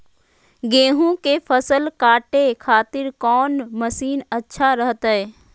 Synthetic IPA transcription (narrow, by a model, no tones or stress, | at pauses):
ɡẽːɦõkepʰəsəlkaːʈekʰaːt̪ɪɾkɔːnməsiːnətːʃʰaɾəɦt̪ɦɛː